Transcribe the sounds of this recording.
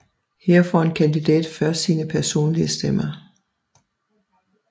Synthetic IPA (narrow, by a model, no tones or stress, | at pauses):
heɐ̰fɒe̝nkʰænd̥id̥ɛ̰ːd̥fɶɐsiːnəpʰæɐso̝̰ːnliəsd̥emɐ